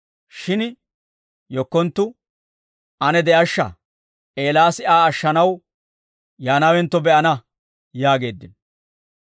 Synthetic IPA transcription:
ʃɪn | jɔkːɔnt̪ːʊ | ɐnɛd̪ɛʔɐʃːɐ̰ | ʔeːlaːsɪʔaːɐʃːɐnɐw | jaːnawɛnt̪ːɔbɛʔɐnɐ | jaːɡe̞ːd̪ːɪn

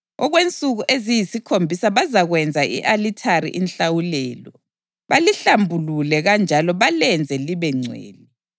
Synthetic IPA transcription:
ɔɣwent͡sʼuɣuʔezijisikʰombʱisaβazaɣwɛnd͡zʱaʔḭʔalitʰarḭʔinɬawulɛːlɔ | βaliɬambʱululɛɣand͡ʒʱalɔβalɛnd͡zʱɛliβɛŋ͡ǀʱwḛːli

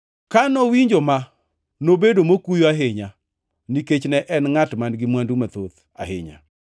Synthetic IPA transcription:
kanɔwiɲd͡ʒoma | nobedomokujoaɦeɲa | niket͡ʃnɛʔɛnŋatmanɡɪmwandumat̪ot̪ | a̰hḛɲa̰

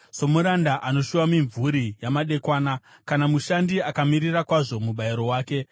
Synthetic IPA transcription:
so̞muɾandaʔano̞ʃuwamiɱvuɾijamaɗe̞kwaːna | kanamuʃandiakamirirakwaʐo̞muɓaiɾo̞waːke̞

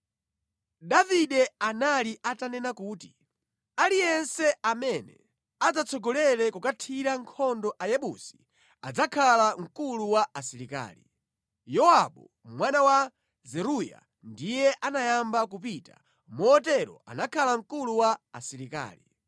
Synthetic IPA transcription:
ɗaviɗɛanaliʔatanɛnakuːti | alijɛnsɛamɛnɛ | ad͡zat͡sʰɔɡɔlɛɾɛkukatʰiɾaŋkʰɔndɔʔajɛɓṵsi̥ | ad͡zakʰalaŋ̩kuluwaasiɾika̰ːli | jɔwaɓu | mwanawa | zɛɾuja̰ | ndijɛʔanajambak̬up̬ita̰ | mɔɔtɛɾɔ̰a̰nakʰalaŋ̩kuluwaːsiɾika̰ːli

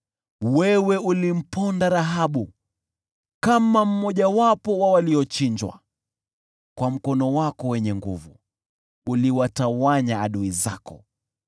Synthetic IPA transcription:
wɛwɛulim̩pɔndaɾaɦaɓu | kamam̩mɔʄawapɔwawaliɔt͡ʃiɲd͡ʒwa̰ | kwam̩kɔnɔwakɔwɛɲɛŋɡuvu | uliwatawaɲaːɗuiza̰kɔ̰

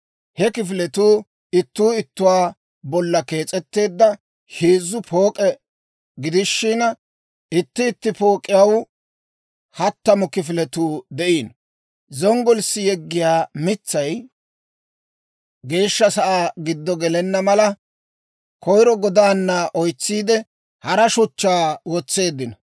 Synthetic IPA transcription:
hɛkɪfɪlɛt̪uː | ɪt̪ːuːɪt̪ːʊwaː | bɔlːɐke̞ːt͡sʼɛt̪ːe̞ːd̪ːɐ | heːzːʊpʰo̞ːkʼɛ | ɡɪd̪ɪʃːɪn | ɪt̪ːɪːt̪ːɪpo̞ːkʼːɪjɐw | hɐt̪ːɐmɔkɪfɪlɛt̪uːd̪ɛʔiːn | zɔŋɡɔlsːɪjɛɡːɪjaːmɪt͡sːɐj | ɡe̞ːʃːɐsɐʔaːɡɪd̪ːɔɡɛlɛnːɐmɐlɐ | kɔjɾɔɡɔd̪aːnːɐʔɔjt͡sːiːd̪ɛ | hɐɾɐʃʊt͡ʃːaːwɔt͡sːe̞ːd̪ːɪnɐ

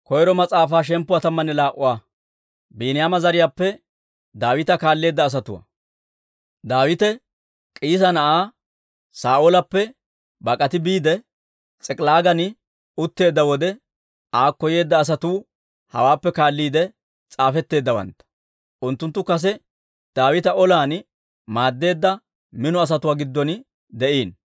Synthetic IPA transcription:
kɔjɾɔmɐt͡sʼaːfaːʃ̬ɛmpːʊwɐt̪ɐmːɐnɛlaːʔʊwaː | biːnɪjaːmɐzɐɾɪjaːpːɛ | d̪aːwɪt̪ɐkaːlːe̞ːd̪ːɐːs̬ɐt̪ʊwɐ̰ | d̪aːwɪt̪ɛ | kʼiːs̬ɐnɐʔaː | saːʔolɐpːɛ | bɐkʼɐt̪ɪbiːd̪ɛ | t͡sʼɛkʼlaːɡɐnɪ | ʊt̪ːe̞ːd̪ːɐwɔd̪ɛ | aːkːɔje̞ːd̪ːɐːs̬ɐt̪uː | hɐ̰waːpːɛkaːlːiːd̪ɛ | t͡sʼaːfɛt̪ːe̞ːd̪ːɐwɐ̰nt̪ːɐ̥ | ʔʊnt̪ːʊnt̪ːʊkɐs̬ɛ | d̪̥aːwɪt̪ɐʔɔlaːn | maːd̪ːe̞ːd̪ːɐ | mɪnɔɐs̬ɐt̪ʊwaːɡɪd̪ːɔn | d̪ɛʔiːn

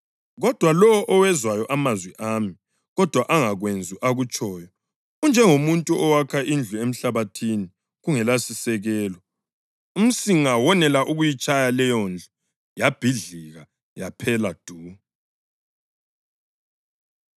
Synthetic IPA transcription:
ɣɔd̥ʱwalɔɔʔɔwɛzwajɔʔamazwiʔami | ɣɔd̥ʱwaʔaŋaɣwend͡zʱuʔaɣut͡ʃʼɔːjɔ | und͡ʒʱɛŋomuntʼuʔɔwakʰaʔind͡ɮʱuem̩ɬaβatʰini | ɣuŋɛlasisɛɣɛːlɔ | um̩siŋawɔnɛlaʔuɣujit͡ʃʼajalɛjɔnd͡ɮʱɔ | jab̥ʱiɮiɣa | japʰɛlad̥ʱuː

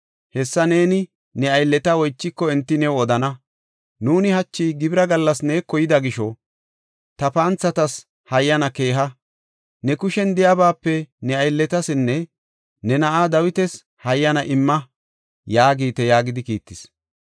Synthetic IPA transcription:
hɛsːɐne̞ːnɪ | nɛɐjlːɛt̪ɐwɔjt͡ʃːɪkːɔɛnt̪ːɪnɛwɔd̪ɐnɐ | nuːnɪhɐt͡ʃːiːɡɪbɪɾɐɡɐlːɐsne̞ːkːɔjɪd̪ɐɡɪʃɔ | t̪ɐpaːnt͡sːɐt̪ɐs | hɐjːɐnɐke̞ːɦɐ | nɛkʊʃɛnd̪ɪjabaːpːɛnɛɐjlːɛt̪ɐsɪnːɛ | nɛnɐʔaːd̪ɐwɪt̪ɛs | hɐjːɐnɐʔɪmːɐ | jaːɡiːt̪ɛjaːɡɪd̪ɪkḭːt̪ːɪs

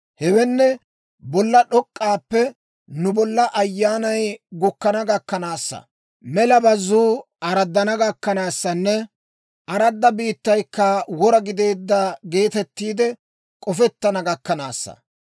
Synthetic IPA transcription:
hɛwɛnːɛ | bɔlːɐɗɔkʼːaːpːɛ | nʊbɔlːɐʔɐjːaːnɐjɡʊkːɐnɐɡɐkːɐnaːsːɐ̰ | mɛlɐbɐzːuː | ɐɾɐd̪ːɐnɐɡɐkːɐnaːsːɐnːɛ | ʔɐɾɐd̪ːɐbiːt̪ːɐjkːɐwɔɾɐɡɪd̪e̞ːd̪ːɐɡe̞ːt̪ɛt̪ːiːd̪ɛ | kʼɔfɛt̪ːɐnɐɡɐkːɐna̰ːsːɐ̰

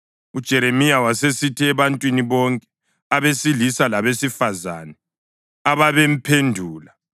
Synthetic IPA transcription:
ud̥ʒ̥ʱɛɾemijawasesitʰiɛβantʼwiniβɔŋkʼɛ̥ | aβesilisalaβesifazaːnɛ | aβaβem̩pʰendʱuːla

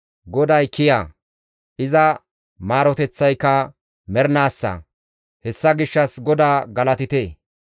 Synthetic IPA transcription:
ɡɔd̪ɐjkɪjaː | ʔɪzɐ | maːɾɔt̪ɛt͡sːɐjkːɐ | mɛɾnaːsːɐ̰ | hɛsːɐɡɪʃːɐsɡɔd̪aːɡɐlɐt̪ɪt̪eː

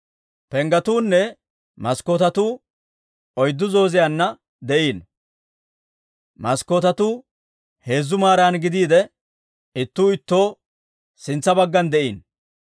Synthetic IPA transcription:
pɛŋɡɐt̪uːnːɛ | mɐsko̞ːt̪ɐt̪uː | ɔjd̪ːʊzo̞ːzɪjaːnːɐ | d̪ɛʔiːn | mɐskoːt̪ɐt̪uː | he̞ːzːʊmaːɾanɡɪd̪iːd̪ɛ | ɪt̪ːuːɪt̪ːo̞ː | sɪnt͡sːɐbɐɡːɐnd̪ɛʔḭːn

